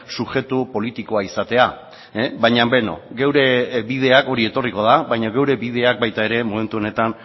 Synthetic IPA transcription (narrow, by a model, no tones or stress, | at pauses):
suʝe̞t̪upo̞lit̪iko̞aisat̪e̞a | bajɲambe̞no̞̰ɡe̞wɾe̞bið̞e̞ako̞ɾie̞t̪o̞riko̞ð̞aβajɲaɣe̞wɾe̞βiðe̞ak̚bajt̪ae̞ɾe̞mome̞nt̪uo̞ne̞t̪an